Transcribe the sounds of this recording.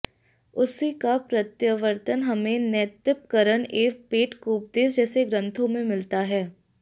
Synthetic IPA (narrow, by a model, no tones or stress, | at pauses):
ʊsikapɾət̪jəʋəɾt̪ənɦɐmẽnɛːt̪ɪp̚kəɾəneːk̚peːʈkuːp̚d̪eːsd͡ʒɛːseɡɾə̃nt̪ʰõmẽmɪlt̪aɦɛː